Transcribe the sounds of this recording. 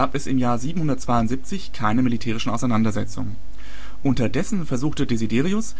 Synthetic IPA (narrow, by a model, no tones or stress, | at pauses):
aːpɛsɪmjaːɐziːbm̩hʊndɐt̚t͡sv̥aɪʊntz̥iːp̚t͡sɪçkʰaɪnəmilitʰɛːʁ̞ɪʃn̩ʔaʊsaɪnandɐzɛt͡sʊ̰ŋə | ʔʊntɐdɛsn̩fɛɐzuːxtədezideːʁ̞iʊs